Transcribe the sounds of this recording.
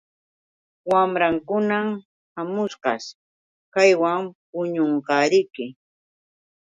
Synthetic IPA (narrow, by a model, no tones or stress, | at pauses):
wamɾaŋkʊnam | hamʊsɢɑ̰s | kajwamp̚ʊɲoɴqɑɾɪjkɪ